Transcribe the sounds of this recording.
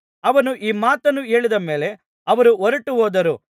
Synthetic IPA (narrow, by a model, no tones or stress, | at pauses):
ɐʋɐnuʔiːmaːt̪ɐnːue̞ːɭid̪ɐme̞ːle̞ | ɐʋɐɾuɔɾɐʈuɦoːd̪ɐɾu